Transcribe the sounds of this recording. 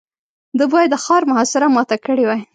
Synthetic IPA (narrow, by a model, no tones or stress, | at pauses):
d̪əbɑjad̪ːəxɑɾmʊɦɑsɪɾamɑt̪akəɽiwaj